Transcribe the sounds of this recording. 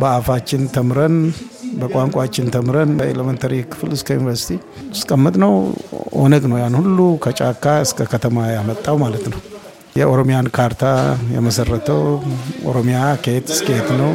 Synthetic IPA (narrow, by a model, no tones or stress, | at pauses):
bəafat͡ʃːɪnt̪ʰəmɾənbəkʼaŋkʷʼat͡ʃːɪnt̪ʰəmɾənḛləment̪ʰəɾikʰɨ̥fɨlɨskʰəjunivəɾsi̥t̪ʰi | skʼəmːɨt̪ʼnəwʔo̰nəɡnəwjanhulːukʰət͡ʃʼakːaɨskʰəkʰət̪ʰəmajamət̪ʼːawmalət̪nəw | jɛʔoɾomijankʰaɾt̪ʰajɛ̰məsərːət̪ʰəwʔo̰ɾomijakʰet̪sket̪nəw